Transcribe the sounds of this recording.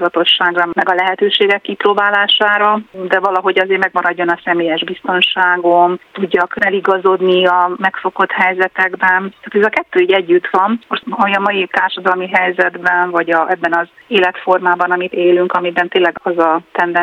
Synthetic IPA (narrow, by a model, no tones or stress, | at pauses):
zɒt̪o̞ʃːaːɡrɒmɛɡɒlɛɦɛt̪øːʃeːɡɛkːiproːbaːlaːʃaːɾɒd̪ɛvɒlɒɦo̞ɟɒzeːɾmɛɡmɒɾɒɟːo̞nɒsɛmeːjɛʒbist̪o̞nʃaːɡo̞mt̪uɟːɒkɛliɡɒzo̞d̪niɒmɛkfo̞ko̞t̪hɛjzɛt̪ɛɡbɛnt̪aːt̪ɛzɒkɛt̪ːøːiːɟɛɟːyt̪ʋɒnoʃɒmiɒmɒjit̪aːrʃɒd̪ɒlmiɦɛjzɛd̪bɛnvɒɟɒɛbːɛnɒzeːlɛt̪fo̞rmaːbɒnɒmit̪eːlyŋkɒmibɛnt̪eːnlɛɡɒzɒt̪ɛnd̪ɛ